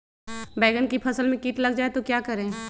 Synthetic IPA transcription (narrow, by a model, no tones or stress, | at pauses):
bɛːɡənkipʰɐsəlmẽkiːʈlɐɡd͡ʒaːet̪okjaːkɐɾẽː